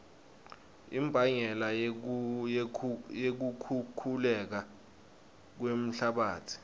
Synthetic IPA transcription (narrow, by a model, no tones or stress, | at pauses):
imbʱaɲɛla | jek̬ukʰukʰulɛk̬a | k̬wem̩ɬaɓaːtʰi̥